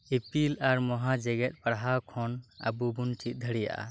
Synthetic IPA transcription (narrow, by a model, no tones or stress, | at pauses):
epilaɾmɔɦad͡ʒɛɡɛt̪̚paɽɦawkʰɔna̰bubunʈit̪̚d̪ʱəɽija̰ʔa̰